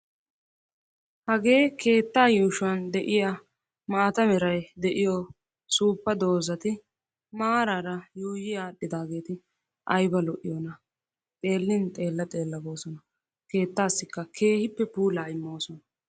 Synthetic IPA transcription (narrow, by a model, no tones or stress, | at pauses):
hɐɡe̞ːke̞ːt̪ːaːjuːʃʊɐnd̪ɛʔɪja | mɐːt̪ɐmɛɾɐjd̪ɛʔɪjɔ | suːpːɐd̪o̞ːzɐt̪ɪ | maːɾaɾɐjuːjɪjaːɗːɪd̪aːɡe̞ːt̪ɪ | ʔɐjbɐlɔʔɪ̰joːnɐ | t̪ʼe̞ːlːɪnt̪ʼe̞ːlːɐt̪ʼe̞ːlːɐbo̞ːsɔnɐ | ke̞ːt̪ːaːsːɪkːɐkʰe̞ːhɪpːɛpuːlaːɪmːo̞ːsɔnɐ